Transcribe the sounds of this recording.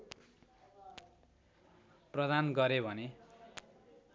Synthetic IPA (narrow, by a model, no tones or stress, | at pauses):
prʌd̪anɡʌɾebʱʌne